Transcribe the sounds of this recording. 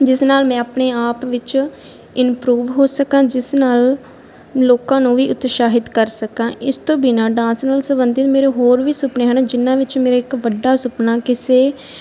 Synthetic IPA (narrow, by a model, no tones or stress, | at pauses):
d͡ʒɪsnaːlmɛ̃ːaːpɳeːaːpʋɪt͡ʃ | ɪnpɾuːʋɦoːsəkãːd͡ʒɪsnaːl | loːkãːnũːʋiːʔʊt̪ːʃaːɦɪd̪kəɾsəkãːʔɪst̪õːbiːnãːɖãːsnəːlsəbənd̪ɪt̪meːɾoːɦoːɾʋiːsʊpneːɦəːnãːd͡ʒɪnːãːʋɪt͡ʃmeːɾaːɪkʋəɖːaːsʊpnaːkɪseː